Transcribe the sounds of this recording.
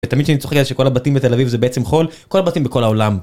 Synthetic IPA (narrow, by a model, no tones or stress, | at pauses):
vet̪amidʃanit͡soekezeʃeko̞labatimbet̪e̞lavivzebeet͡semχo̞lkolabat̪imbeko̞lao̞lam